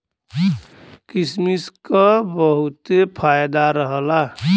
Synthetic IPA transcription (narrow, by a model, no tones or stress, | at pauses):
kismiskabəɦut̪epʰajd̪aɾəɦəla